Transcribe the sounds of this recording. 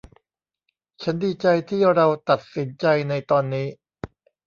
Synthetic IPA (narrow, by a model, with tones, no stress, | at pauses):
t͡ɕʰa˦˥ndiː˧t͡ɕa˧jt̪ʰiː˥˩ɾa˧wt̪a˨˩t̪̚si˨˩˦nt͡ɕa˧jna˧jt̪ɔː˧nːiː˦˥